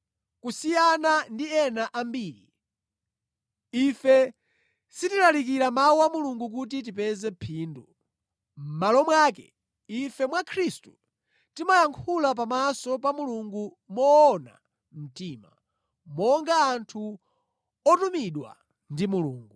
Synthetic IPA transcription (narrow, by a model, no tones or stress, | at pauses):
kusijanandiɛnaʔambiːɾi | ifɛ | sitilalik̬iɾamawuamuluŋɡuk̬ut̬it̬ipɛzɛpʰiːndu | m̩malɔmwaːkɛ̰ | ifɛmwakʰɾistu | timajaŋkʰulap̬amasɔpamuluŋɡu | mɔːna̰ | m̩tiːma̰ | mɔŋɡaːntʰu | ɔtumiɗwa̰ | ndimulṵːŋɡu